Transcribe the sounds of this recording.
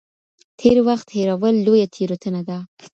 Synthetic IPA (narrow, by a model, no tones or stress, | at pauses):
t̪ʰeɾwaxt̪heɾawəlːojat̪ʰeɾot̪ənad̪a